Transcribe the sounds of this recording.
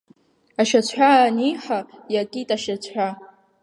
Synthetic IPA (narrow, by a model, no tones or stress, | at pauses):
aʃat͡sʷʰħʷaːniħajakʲʼitʼaʃat͡sʷʰħʷᶣa